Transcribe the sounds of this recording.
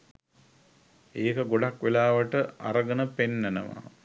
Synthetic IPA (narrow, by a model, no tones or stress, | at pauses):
eːkəɡoɖakʋelaːʋəʈəa̰ɾəɡənəpenːænəʋa̰